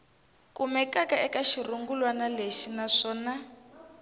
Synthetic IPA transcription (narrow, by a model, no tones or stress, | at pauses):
kumɛkakaɛkaʃiruŋɡulwanaleʃinaʂɔːna